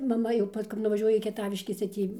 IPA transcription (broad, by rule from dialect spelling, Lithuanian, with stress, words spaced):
mɐˈmɐ jɛʊ ˈpɐs kɐp nʊʋɐˈʒʲuɔjɛ iː kʲiɛˈtɑːʋʲɪʃʲkʲɛs tɐɪ ˈtʲiː